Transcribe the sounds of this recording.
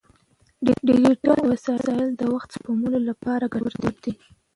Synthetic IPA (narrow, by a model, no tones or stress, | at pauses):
ɖɖḭɾiʈawasɑɪɑjɪld̪əwaxt̪spomunolapɑɾaɡawɾt̪ebd̪i